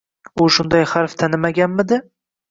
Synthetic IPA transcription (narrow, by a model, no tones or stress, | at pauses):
ʊʃʊnd̪ajhaɾft̪ʰanɪmaɡʲanmɪd̪ɪ